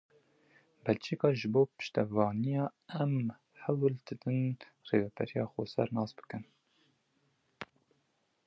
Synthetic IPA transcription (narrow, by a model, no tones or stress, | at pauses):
bɛlt͡ʃʰeːkɑːʒɨboːpɨ̥ʃt̪ɛvɑːnijɑːɛm | hɛwld̪ɨd̪ɨnreːvɛbɛɾijɑːxosɛ̰ɾnɑːsbɨ̥kɨn